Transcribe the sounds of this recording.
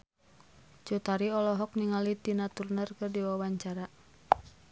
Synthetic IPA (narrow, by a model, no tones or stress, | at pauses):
d͡ʒut̪aɾiɔlɔɦɔk̚niŋalit̪inat̪urnərkɨrdiwawaɲt͡ʃaɾa